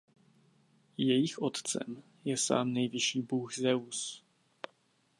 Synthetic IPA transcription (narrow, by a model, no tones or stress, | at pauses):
jɛjɪxʔot̪t͡sɛ̰m | jɛsa̰ːmnɛjvɪʃiːbuxzɛus